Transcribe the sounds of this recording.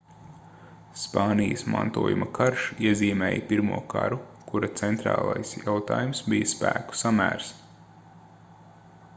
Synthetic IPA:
spɑːnijəsma̰nt̪uɔjṵmɐkʰaɾʃiɛziːmɛːjpiɾmuɔka̰ɾukuɾɐt̪sɛnt̪ɾa̰ːlˠajsjawt̪aːjumsbijɐspæːku̥samæ̰ːɾs

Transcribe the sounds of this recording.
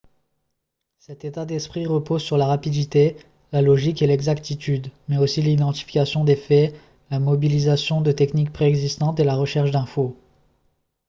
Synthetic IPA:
sɛt̪et̪ad̪ɛspχiʁəpozsyʁlaʁapid̪it̪e | lalɔʒikelɛɡzakt̪it̪yd̪mɛosilid̪ɑ̃t̪i̥fi̥kʲasjɔ̃d̪efɛ | lamɔbilizasjɔ̃d̪ət̪ɛknik̚pχeɛɡzist̪ɑ̃t̪elaʁəʃɛʁʃd̪ɛ̃fo

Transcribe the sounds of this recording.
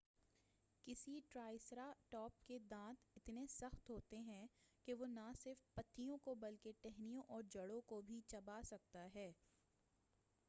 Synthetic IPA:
kɪsiʈɾaːɪsɾaʈɔːp̚ked̪ãːt̪ɪt̪nesɐxt̪ɦoːt̪eɦɛ̃keʋonasɪɾfpɐt̪ːijõkobɐlkeʈɛɦnijõʔɔːɾd͡ʒɐɽõkobʱit͡ʃɐbaːsɐk̚t̪aɦɛː

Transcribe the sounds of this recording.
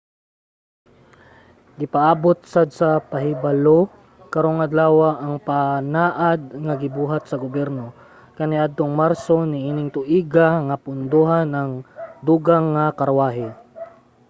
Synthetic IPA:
ɡɪpaʔaːbot̪̚sad̪̚sɐpaɦɪbalo | kɐɾoŋɐd̪laːwaʔːŋpanaːʔad̪̚ŋaɡɪbuːɦat̪sɐɡʊbjɛɾno | kɐnɪʔad̪̚t̪oŋmaɾsonɪʔiːnɪŋt̪ʊʔiːɡaŋapʊnd̪uɦanɐŋd̪uːɡaŋːakɐɾwaːɦɪ

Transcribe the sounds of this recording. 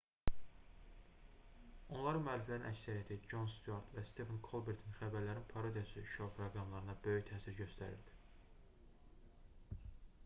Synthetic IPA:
o̞nlˠɑɾɯnmyælːiflæɾinæcsæɾijæt̪ʰid͡ʒo̞nst̪uoɾt̪væst̪efɑnkʰolˠbeɾt̪ʰinxæbæɾlæɾinpʰɑɾod̪ijɑsɯʃopʰɾoɡɾɑmlˠɑɾɯnɑbø̞jyçt̪ʰæːsiɾɟø̞st̪æɾḭɾd̪i̥

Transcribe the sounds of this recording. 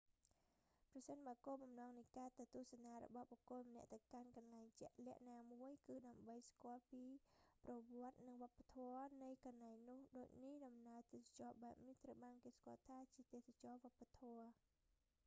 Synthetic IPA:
prɑsənɓaːəkoːɓɑmnɑːŋnɨjkaːt̪ɨwt̪uəhsanaːɾɔ̰ɓɑhɓɔkoəlmənɛ̆əʔt̪ɨwkankɑnlaɛŋt͡ɕɛ̆əʔlɛ̆əʔnaːmuəjkɨːɗaəmɓəjskŏəlpiːprɔʋŏət̪̚nɨŋʋŏəpːat̪ʰɔənɨjkɑnːaɛŋnʊ̆əhɗoːc̚nihɗɑmnaət̪eːsat͡ɕɑːɓaɛp̚niht̪rəwɓaːnkeːskŏəlt̪ʰaːt͡ɕiət̪eːsat͡ɕɑːʋŏəpːat̪ʰɔə

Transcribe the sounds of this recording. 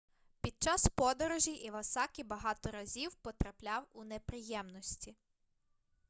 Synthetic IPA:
pʲid̪̚t͡ʃɑspɔd̪ɔɾɔʒʲiʔiʋɐsɑkʲibɐɦɑt̪ɔɾɐzʲiwpɔt̪ɾɐplʲɑwunepɾɪjɛmnɔsʲtʲi

